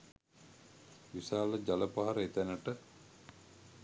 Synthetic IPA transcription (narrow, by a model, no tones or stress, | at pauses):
ʋisaːləd͡ʒaləpaɦaɾəet̪ænəʈə